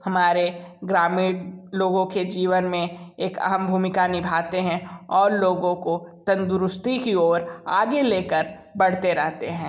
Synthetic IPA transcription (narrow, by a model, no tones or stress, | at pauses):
hɐmaːɾeɡɾaːmɪːɽloːɡõked͡ʒiːʋənmẽeːkɐ̰ɦəmbʱuːmɪkanɪbʱaːt̪eɦɛ̃ɔːɾloːɡõkot̪ɐ̃nd̪ʊɾʊst̪ikioːɾaːɡeleːkəɾ | bɐɽ̤t̪eɾɛɦt̪eɦɛ̃ː